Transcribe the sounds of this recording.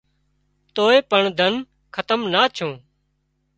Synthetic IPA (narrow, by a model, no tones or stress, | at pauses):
t̪oːeːpəɳd̪ʱən | kʰət̪əmnaːt͡ʃʰõː